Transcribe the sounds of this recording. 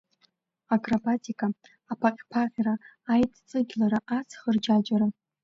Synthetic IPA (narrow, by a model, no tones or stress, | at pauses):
akʼrabatʰikʰʼaː | pʰaqʲpʰaqʲraːjtʼt͡sʼɨɡʲlaɾaʔat͡sʰχərd͡ʒad͡ʒaɾa